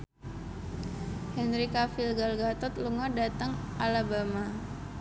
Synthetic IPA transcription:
hɛnɾikafilɡalɡat̪ɔt̪̚luŋɔdat̪əŋʔalabama

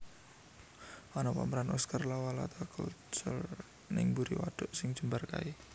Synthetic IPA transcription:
ʔanapa̰mɾanɔskarlawala̰t̪akut͡ʃʊ̰l | nɪŋbuɾiwa̰ɖ̥ʊ̤ʔsɪŋ̥ʒ̥umbarka̰i

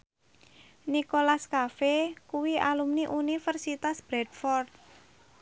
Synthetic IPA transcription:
nikolaskafekuwialumniʔunifərsit̪asb̥ɾɛd̪fɔrt̪̚

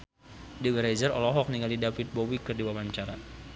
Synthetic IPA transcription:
diɡəɾazərɔlɔɦɔk̚niŋɡalidafit̪̚bowikɨrdiwamaɲt͡ʃaɾa

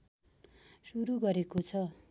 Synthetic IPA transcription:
suɾuɡʌɾekot͡sʰʌ

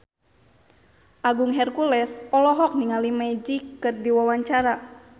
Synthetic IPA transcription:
ʔaɡuŋɦɛrkulɛsɔlɔɦɔk̚niŋalimad͡ʒikːɨrdiwawaɲt͡ʃaɾa

